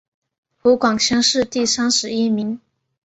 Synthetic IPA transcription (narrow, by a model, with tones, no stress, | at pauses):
xu˧˥kwɑ˨˩ŋɕʰjɑ˥ŋʂɻ̩˥˧t̪i˥˩sa˥nʂɻ̩˧˥i˥mi˧˥ŋ